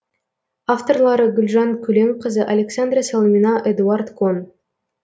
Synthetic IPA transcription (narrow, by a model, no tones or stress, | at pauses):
aft̪o̞rlˠɑɾəɡʲʏlʲʒɑŋkʲʰɵleŋqəzəʔalʲeksand̪rasalˠmʲinɑʔed̪uart̪kʰon